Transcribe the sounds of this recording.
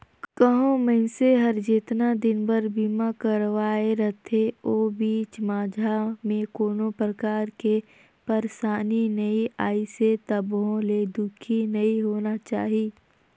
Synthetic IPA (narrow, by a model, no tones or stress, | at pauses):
kəɦõməɪnseɦɐɾd͡ʒɪt̪nad̪ɪnbəɾbiːmakəɾʋaːeɾɐɦt̪ʰeoːbiːt͡ʃmaːd͡ʒʱamẽkoːnõpɾəkaːɾke | pɐɾsaːninəiʔaːiset̪ɐbɦõled̪ʊkʰinɐiɦoːnat͡ʃaːɦiː